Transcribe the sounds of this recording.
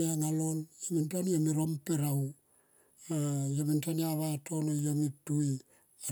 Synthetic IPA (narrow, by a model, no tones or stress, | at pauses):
eaŋalonamintaniamiɾompeɾaw | ajamintaniaβatonojamitui | a